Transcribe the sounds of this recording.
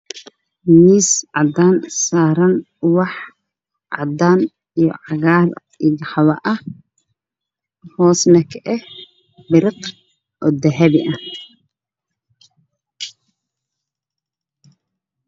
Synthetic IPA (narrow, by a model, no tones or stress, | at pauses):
miːsʕɑd̪aːnsaːɾɐn | wɑħ | ʕɑ̰d̪aːn | ijɔ̰ʕɑɣaːl | iɡħɑwɐʔɐ | hɔːsnɐkʰɐʔɛh | bɪɾɪq | ʔɔːd̪ɐɦɐβɪʔɐ